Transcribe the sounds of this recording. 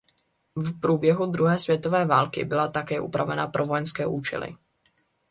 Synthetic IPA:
fpɾuːbjɛɦud̪ɾuɦɛːsvjɛt̪o̞vɛːvaːlkɪ̰bɪlat̪akɛːʔupɾʔavɛnapɾʔovo̞jɛnskɛːʔuːt͡ʃɛ̰lɪ̰

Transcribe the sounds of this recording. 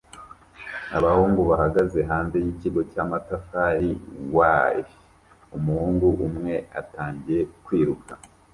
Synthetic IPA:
aβahuːŋɡuβahaɡaze̞ɦaːnze̞jiciɡo̞camatafaɾiwaːje | umuhuːŋɡuʔumŋe̞a̰taːɲɟije̞kwiːɾuka

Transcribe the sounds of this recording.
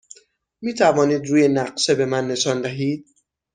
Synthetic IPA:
miːt̪ʰævɒːniːd̪ɾuːje̞næɢʃe̞be̞mænːe̞ʃɒːnd̪æɦiːd̪̥̚

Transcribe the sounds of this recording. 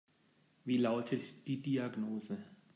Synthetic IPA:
viːlaʊtʰətd̥iːdiaɡnoːzə

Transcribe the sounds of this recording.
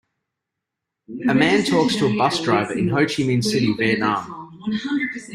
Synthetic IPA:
əmæ̃ːntʰɔˑkstʰəəbʌsd̥ɹaɪvəʔɪ̃nɦəʊt͡ʃimɪ̃nsɪɾivɛːnɑːm

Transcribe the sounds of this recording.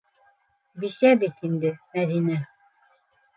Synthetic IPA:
bisæbit̪ind̪ɘmæðinæ

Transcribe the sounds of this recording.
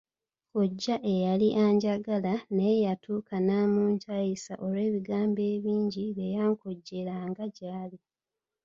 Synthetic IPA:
koɟːaʔe̞jaliʔaːɲɟaɡalanejatʰuːkanamuːɲcajisa̰ʔoɾe̞ːβiɡaːmbe̞ːβiːɲɟiβejaːŋkoɟːe̞laŋɡaɟaːli

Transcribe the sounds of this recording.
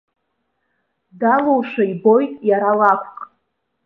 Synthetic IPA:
dalowʂaibo̞jtʼjaɾalakʷʰqʼ

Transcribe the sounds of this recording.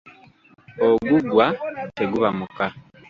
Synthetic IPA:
oɡuɡwateɡuβamuka

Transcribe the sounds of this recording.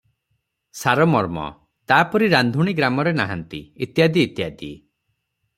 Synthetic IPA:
saɾɔmɔɾmɔ̰ | t̪aːpɔɾiɾand̪ʱuɽ̃iɡɾamɔɾenaɦant̪ḭit̪jad̪iːt̪jad̪i

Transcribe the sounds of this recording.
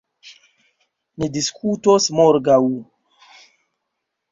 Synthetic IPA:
nidiskʰutosmoɾɡaw

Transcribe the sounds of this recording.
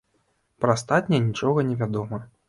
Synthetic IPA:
pɾɐst̪at̪ʲnʲɛnʲit͡ʂɔɣɐnʲɛvʲad̪ɔmɐ

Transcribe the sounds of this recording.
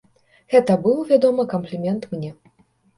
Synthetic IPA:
ɣɛt̪ɐbɨwˠvʲad̪ɔmɨkɐmplʲimʲɛnt̪mnʲɛ

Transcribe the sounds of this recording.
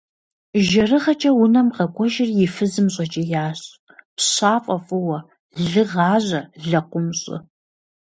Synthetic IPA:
ʒɐrɨʁɐt͡ʃʼɐwʊnɐmqɐkʷʼɔʒɪrjɪfɨzɨmɕʼɐt͡ʃʼɐjaːɕʼ | pɕaːfʼɐfʼɨwɐ | ɮɨʁɑːʑʷɐɮɐqʷʊmɕʼɪ̰

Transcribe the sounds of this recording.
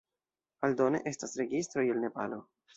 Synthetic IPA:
aldo̞nḛʔe̞stasɾe̞ɡistɾo̞jelne̞pa̰lo

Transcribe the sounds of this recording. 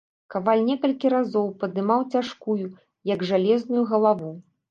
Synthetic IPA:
kavalʲnʲɛkɐlʲkʲiɾazɔwpɐd̪ɨmawt͡sʲaʂkuju | jɐɡʐalʲɛznujuɣɐlˠavu

